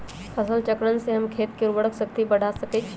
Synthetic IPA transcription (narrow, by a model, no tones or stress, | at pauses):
əsəlt͡ʃəkɾənseɦəmkʰeːt̪̚keɾuʋəɽəksəkt̪ibəɽ̤ʱasəket͡ʃʰ